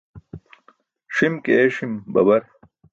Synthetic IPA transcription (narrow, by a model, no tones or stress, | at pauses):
ʂimkeeʂimbɐ̰bɐɾ